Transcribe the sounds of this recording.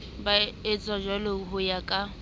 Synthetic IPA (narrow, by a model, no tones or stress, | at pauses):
baɪt͡sʼad͡ʒaloɦʊjakʼa